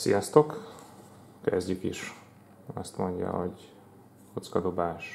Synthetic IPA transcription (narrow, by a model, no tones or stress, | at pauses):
sijɒst̪o̞k | kɛzɟykiʃ | ɒst̪mo̞ɲɟɒ̰ɦo̞ɟ | kot̪skɒd̪o̞baːʃ